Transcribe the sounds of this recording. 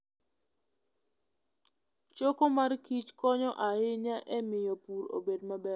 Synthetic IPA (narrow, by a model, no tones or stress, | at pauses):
t͡ʃokomarkit͡ʃkɔɲɔʔahɪɲaʔɛmɪjɔpuɾo̰bedmabɛ